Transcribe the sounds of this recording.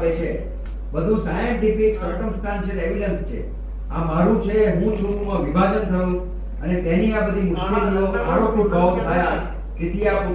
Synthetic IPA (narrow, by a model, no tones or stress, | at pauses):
pet͡ʃʰe | bəd̪ʱũsajə̃ɖipisəɾkəmsʈ̪ʰant͡ʃʰeeʋilənst͡ʃʰḛ | amaɾũt͡ʃʰeɦũt͡ʃʰũumãʋibʱad͡ʒənt̪ʰəjũ | ənet̪ɛniabəd̪ʱimʊʃlit̪ʰjoa̰ɾopjuʈɔkt̪ʰaja | kɪt̪ija